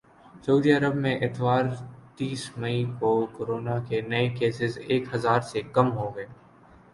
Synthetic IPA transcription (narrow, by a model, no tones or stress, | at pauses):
sɐuːd̪iɐɾəbmẽʔɪt̪ʋaːɾt̪iːsmɐĩkokoɾoːnakenɐekeːsɪzeːkɦɐzaːɾsekɐmɦoɡɐeː